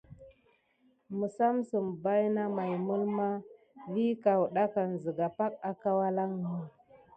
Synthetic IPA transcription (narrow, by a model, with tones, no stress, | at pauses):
mə˨sa˦msə˨mba˦jna˦ma˨jmu˦lma˦ | vi˦ka˨wɗa˦ka˨n˨zə˨ɡa˨pa˦k̚a˨ka˦wa˦la˦ŋnə˨